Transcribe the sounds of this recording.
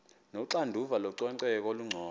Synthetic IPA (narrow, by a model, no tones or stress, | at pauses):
noǀandʱuvalɔǀɔǀɛk̬oluŋ͡ǀʱɔː